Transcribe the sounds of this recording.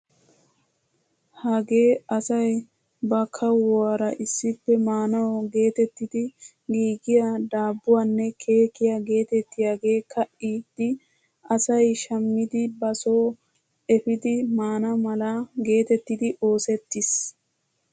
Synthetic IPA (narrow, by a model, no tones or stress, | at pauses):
hɐɡe̞ːɐsɐj | bɐkʰɐwɔwaːɾɐʔɪsːɪpːɛmaːnɐwɡe̞ːt̪ɛt̪ːɪd̪ɪ | ɡiːɡɪjad̪aːbːʊwanːɛkʰe̞ːkɪjaɡe̞ːt̪ɛt̪ːɪjaːɡe̞ːkʰɐʔiːd̪ɪ | ʔɐsɐjʃɐmːɪd̪ɪbɐso̞ː | ɛfɪd̪ɪmaːnɐmɐlaɡe̞ːt̪ɛt̪ːɪd̪ɪʔo̞ːsɛt̪ːɪs